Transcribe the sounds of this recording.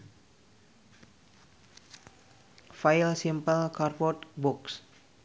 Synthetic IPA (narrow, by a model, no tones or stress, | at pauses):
fajlsimpəlkarpɔt̪buks